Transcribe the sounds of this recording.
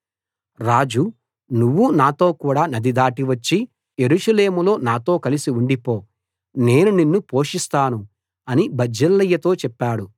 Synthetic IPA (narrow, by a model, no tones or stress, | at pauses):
ɾaːd͡ʒu | nuʋːunaːt̪o̞ːkuːɽaːnɐd̪id̪aːʈiʋɐt͡ʃːi | jeɾuʂɐle̞ːmulo̞ːnaːt̪o̞ːkɐlisiuɳɖipo̞ː | ne̞ːnuninːupo̞ːʂist̪aːnu | ɐnibɐd͡ʒɐlːɐjːɐt̪o̞ːt͡ʃɛpːaːɽu